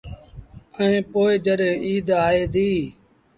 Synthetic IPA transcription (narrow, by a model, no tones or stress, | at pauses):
əẽːpoːed͡ʒəɗɦẽːʔiːd̪aːeːd̪iː